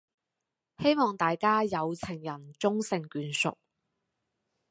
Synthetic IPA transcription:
he˥jmɔː˨˩ŋt̪aː˨jkaː˥jɐ˨˧wt͡sʰɪ˨˩ŋjɐ˨˩nt͡sʊ˥ŋsɪ˨ŋkyː˨˧nsʊ̰˨k̚

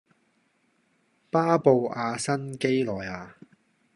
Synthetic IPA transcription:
paː˥po˨˧waː˧sɐ˥nke˥jlɔː˨˩jaː˨˧

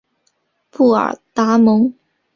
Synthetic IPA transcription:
pʰu˥˩ə̰˞˨˩t̪a˧˥mʊ˧˥ŋ

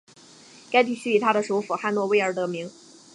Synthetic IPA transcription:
ka˥ɪt̪̬i˥˩ɕy˥i˨˩t̪ʰa˥ɾə˨ʂu˧˥ʊfu˨˩xa˥˧nwɔ˥˧we˥˧ɪə˞˧˥t̪ɤ˧˥mi˧˥ŋ

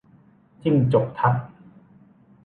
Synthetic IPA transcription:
t͡ɕi˥˩ŋt͡ɕo˨˩k̚t̪ʰa˦˥k̚

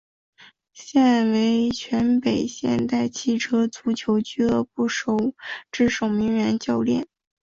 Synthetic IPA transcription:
ɕjɛ˥˩nwe˧˥ɪt͡ɕʰɥɛ˧˥npe˨˩ɪɕjɛ̰˥˧nt̪a˥˧ɪt͡ɕʰi˥˩ʈ͡ʂʰɤ˥t͡su˧˥t͡ɕʰjo˧˥ʊt͡ɕy˥d̪ə˧˨pu˥˩ʂo˨˥˩ʊʈ͡ʂɻ̩˥˩ʂo˨˩ʊmi˧˥ŋɥɛ˧˥nt͡ɕjɑ˥˧ʊljɛ̰˥˩n

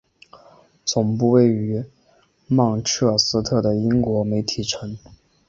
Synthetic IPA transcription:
t͡sʊ˨˩ŋp̬u˥˧we˥˩ɪy˧˥ | mɑ˥˧ŋʈ͡ʂʰɤ˥˩sɹ̩˥t̪ʰɤ˥˩d̪ə˩i˥ŋkwɔ˧˥me˧˥ɪt̪ʰi˨˩ʈ͡ʂʰə˧˥ŋ

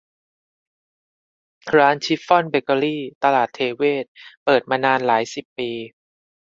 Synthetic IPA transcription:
kʰɾaː˦˥nt͡ɕʰi˦˥fɔ˥˩nbe˧ka˧liː˥˩t̪a˧laː˨˩t̪ʰːeː˧weː˥˩t̪̚pɤː˨˩t̪̚maː˧naː˧nlaː˩˦jsi˨˩pːiː˧

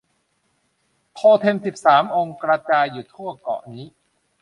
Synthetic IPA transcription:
p̪ʰoː˧t̪ʰe˧msi˨˩p̚saː˩˦mʔo˧ŋkɾa˧t͡ɕaː˧jːuː˨˩t̪ʰu˥˩ɐkɔ̰˨˩ʔniː˦˥

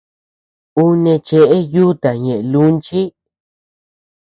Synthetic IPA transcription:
u˦nẽ˧t͡ʃe˧ʔe˦ju˦t̪a˨ɲẽ˨e˨˧lu˦nt͡ʃi˦

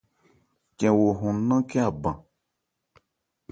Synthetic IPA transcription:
kɛ̃˨wo˨ɦũ˨˦nã˦ke˦a˨bã˨

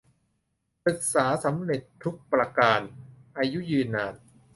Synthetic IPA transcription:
pɯ˨˩k̚saː˩˦sa˩˦mɾe˨˩t̪ʰːu˦˥k̚pɾa˧kaː˧nʔaː˧ju˦˥jɯː˧nːaː˧˩n

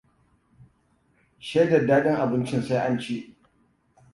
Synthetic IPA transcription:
ʃe˦dɐ˨dːaː˦ɗɪ˦ŋʔa˨bɪ˦nt͡ʃɪ˦nsa˦jʔa˦nt͡ʃi˦ʔ

